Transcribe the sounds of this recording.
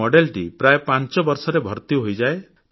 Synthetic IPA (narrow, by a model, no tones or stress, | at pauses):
ɔɖelʈipɾaepãnt͡ʃɔbɔɾsɔɾebʱɔɾt̪iɦojd͡ʒae